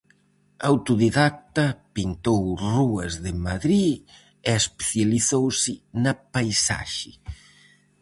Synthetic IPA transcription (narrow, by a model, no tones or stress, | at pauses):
awt̪uðiðak̚t̪ɐpint̪owruɐzðɪmaðɾi | eespe̥θjaliθowsɪnɐpajsa̰ʃɪ